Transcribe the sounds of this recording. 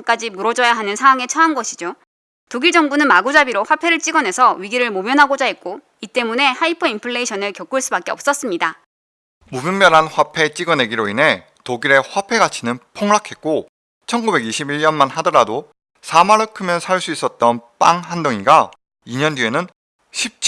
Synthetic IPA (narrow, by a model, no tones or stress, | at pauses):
ŋk͈ad͡ʑimuɾʌd͡ʑʌjaɦanɯnsʰaŋwaŋe̞t͡ɕʰʌanɡʌɕʰid͡ʑo | toɡiɭd͡ʑʌŋbunɯnmaɡud͡ʑabiɾoɸwapʰe̞ɾɯɭt͡ɕ͈iɡʌne̞sʰʌɥiɡiɾɯɭmomjʌnɦaɡod͡ʑaɦet̚k͈o | it͈e̞mune̞haipʰɯimpʰɯɭːe̞iɕʰʌnɯɭkjʌk͈uɭs͈ubak͈eʌps͈ʌs͈ɯmɲida | mubjumːjʌnɦanɸwapʰe̞t͡ɕ͈iɡʌne̞ɡiɾoinɦe̞ | toɡiɾe̞ɸwapʰe̞ɡat͡ɕʰinɯnpʰoŋɭakʰe̞t̚k͈o | t͡ɕʰʌnɡube̞ɡiɕʰibiɭɲʌnmanɦadʌɾado | sʰamaɾɯkʰɯmjʌnsʰaɭs͈uis͈ʌt̚t͈ʌnp͈aŋɦandoŋiɡa | iɲʌndie̞nɯn | ɕʰip̚t͡ɕʰ